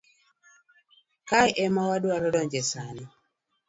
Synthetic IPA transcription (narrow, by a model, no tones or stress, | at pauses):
kajʔɛmawadwaɾɔdɔɲd͡ʒɛsanɔ